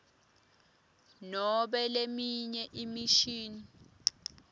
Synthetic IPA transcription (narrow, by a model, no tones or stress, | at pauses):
nɔɓɛlemiɲɛʔimiʃiːni